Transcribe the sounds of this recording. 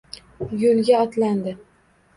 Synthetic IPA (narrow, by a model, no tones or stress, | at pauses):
jɵlɡʲaɒt̪land̪ɪ